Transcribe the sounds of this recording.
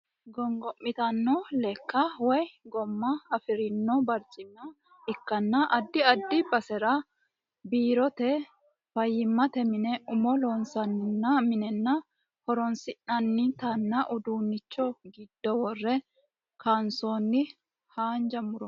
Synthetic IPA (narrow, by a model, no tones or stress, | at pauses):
ɡɔŋɡɔʔːɪt̪ɐnːɔlɛkːɐwɔjɡɔmːɐɐfɪɾɪnːɔbɐɾt͡ʃʼɪnːɐ | ɪkːɐnːɐʔɐd̪ːɪɐd̪ːɪbɐsɛɾɐ | biːɾɔt̪ɛ | fɐjːɪmːɐt̪ɛmɪnɛʊmɔloːnsɐnːɪnːɐmɪnɛnːɐ | hɔɾɔnsɪnnɐnːɪt̪ɐnːɐʔʊd̪uːnːɪt͡ʃːɔɡɪd̪̥ːɔwɔrːɛ | kʰansoːnːɪ | haːnd͡ʒɐmʊɾɔ